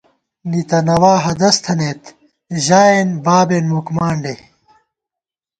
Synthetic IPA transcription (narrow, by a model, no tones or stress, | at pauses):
nit̪ɐnɐwaːɦɐd̪ɐst̪ʰɐnet̪ | ʑaːenbaːbenmukmaːɳɖe